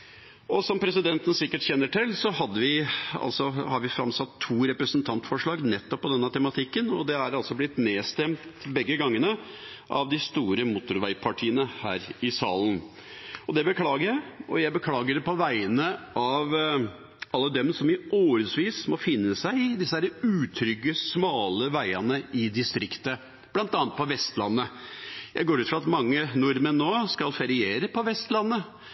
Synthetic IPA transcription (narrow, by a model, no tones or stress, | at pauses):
ɔsɔmpʰɾɛsɪd̪ɛnt̪ən̩sɪkːəʈçɛnːəʈɪlsɔɦɑd̪ːəʋɪɑ̰lsɔhɑɾʋɪfɾɑmsɑt̪ʰːuːɾɛpɾəsənt̪ʰɑnt̪fɔʂɭɑːɡnɛt̪ːɔpːɔd̪ɛnːət̪ʰɛmɑt̪ʰɪkːənɔd̪ɛæɾɑlsɔblɪt̪neːst̪ɛmt̪bɛɡːəɡɑŋːənə | ʔɑ̰ʋd̪ɪst̪uːɾəmʊt̪ʊɾʋæɪpʰɑʈʰiːənəhæ̰ːɾɪsɑːln | ɔd̪ɛbəkʰlɑːɡəɾjæɪɔjæɪbəkʰlɑːɡəɾɛpɔʋæɪənəʔɑʋ | ɑlːəd̪ɛmsɔmɪoːɾəsʋiːsmɔfɪnːəsæɪɪd̪ɪsəd̪æːɾəʉːt̪ʰɾʏɡəsmɑːləʋæɪɑnəɪd̪ɪst̪ɾɪkt̪ə | b̥lɑnt̪ɑːnət̪̚pʰɔʋɛst̪lɑnːəjʔæ̰ɪɡoːɾʉːt̪fɾɑt̪mɑŋːənʊɾmənnːoːskɑlfɑɾɪeːɾəpʰɔʋɛst̪lɑnːə